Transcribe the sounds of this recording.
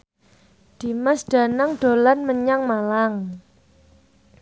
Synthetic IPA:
d̪̥i̤məsɖ̥a̤naŋɖ̥o̤lanməɲaŋmalaŋ

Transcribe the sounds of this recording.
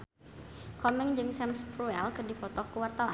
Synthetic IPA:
kɔmɛŋd͡ʒɨŋsɛmspɾuɛlkɨrdipɔt̪ɔkəwart̪awa

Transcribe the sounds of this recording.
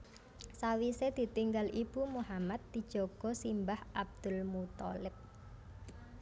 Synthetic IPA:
sawised̪̥i̤t̪iŋɡalʔib̥umuhamat̪̚d̪̥i̤d̥ʒ̥ɔɡ̥ɔ̤simbahʔab̚d̪̥ʊ̤lmut̪ɔ̰lɪp̚

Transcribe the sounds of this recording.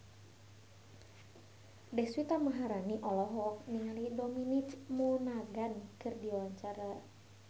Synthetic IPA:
dɛswit̪amaɦaɾaniʔɔlɔɦɔkniŋalidominit͡ʃmunaɡankɨrdiwaɲt͡ʃaɾa

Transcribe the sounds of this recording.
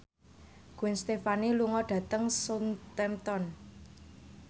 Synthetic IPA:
ɡ̥uɪnst̪efaniluŋɔɖ̥ä̤t̪əŋsʊnt̪ɛmt̪ɔn

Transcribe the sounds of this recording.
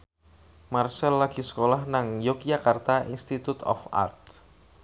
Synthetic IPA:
marsalːaɡ̥i̤sə̥kolahnaŋjokjakart̪aʔḭnst̪it̪ut̪ɔ̰fa̰rt̪̚

